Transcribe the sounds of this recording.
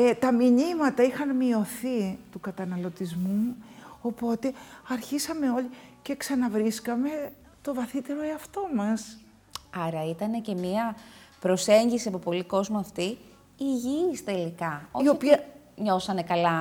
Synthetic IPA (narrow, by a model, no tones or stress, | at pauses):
et̪ɐmiɲimɐt̪ɐixɐnmio̞θit̪ukɐt̪ɐnɐlo̞t̪izmuo̞po̞t̪e̞ɐɾçisɐme̞o̞lice̞ksɐnɐvɾiskɐme̞ | t̪o̞vɐθit̪e̞ɾo̞eɐft̪o̞mɐs | ɐɾɐit̪ɐne̞ce̞miɐpɾo̞se̞ɲɟisiɐpopo̞liko̞zmoɐft̪i | iʝist̪e̞likɐoio̞piɐ | ɲo̞sɐne̞kɐlɐ